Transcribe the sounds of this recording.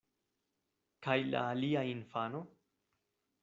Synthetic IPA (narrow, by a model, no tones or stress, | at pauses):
kajla̰ːliainfano